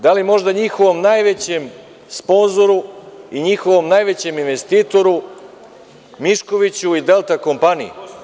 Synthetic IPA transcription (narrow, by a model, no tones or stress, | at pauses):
d̪alimo̞ʒd̪aɲixo̞ʋo̞mnajʋet͡ɕem | spo̞nzo̞ɾuiɲixo̞ʋo̞mnajʋe̞t͡ɕe̞minʋe̞st̪iːt̪o̞ɾu | miʃko̞ʋit͡ɕuid̪e̞lˠt̪ako̞mpanḭḭ